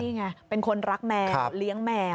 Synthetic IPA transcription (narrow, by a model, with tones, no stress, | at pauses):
iː˥˩ŋa˧pe˧nkʰo˧nɾa˦˥k̚mɛː˧˦˧li˦˥əŋmɛː˧